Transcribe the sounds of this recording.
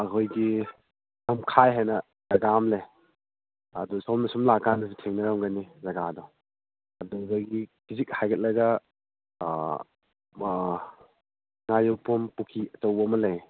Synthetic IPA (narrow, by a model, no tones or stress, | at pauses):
ɐkʰojɡi | nɐmkʰajɦajnɐ | z̥aɡamlej | ɐdusɔmnɐsumlakanɐs̬itʰeŋnɐɾamɡanizaɡadɔ | ɐduzaɡikizik̚hajkʰɐt̚lɐɡɐ | ŋajowpumpukʰiɐtɐwɐmɐlaj